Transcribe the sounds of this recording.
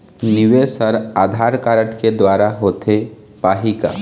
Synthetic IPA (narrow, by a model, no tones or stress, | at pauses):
nɪʋesəɾaːd̪ʱaːɾkaːɾəʈked̪waːɾaɦoːt̪ʰe | paːɦika̰ː